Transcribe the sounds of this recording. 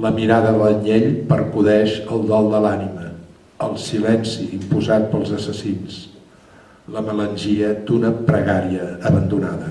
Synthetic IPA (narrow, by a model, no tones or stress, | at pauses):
ləmiɾaðəðələɲeʎpəɾkuðɛʃəlˠd̪ɔlˠd̪əlanimə | əlˠsilɛnsiːmpuzat̪̚pəlˠzəsəsins | ləmələnʲʒiəd̪unəpɾəɣaɾiəːβənd̪unaðə